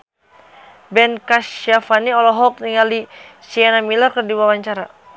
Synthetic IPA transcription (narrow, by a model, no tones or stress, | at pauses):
bɛnkaʃafaniɔlɔɦɔk̚niŋalisianamilɔrkərdiwawaɲt͡ʃaɾa